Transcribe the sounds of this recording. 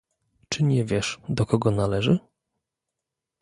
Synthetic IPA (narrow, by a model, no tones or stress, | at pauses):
t͡ʂɘɲɛvʲjɛʂd̪ɔkɔɡɔnalɛʐɘ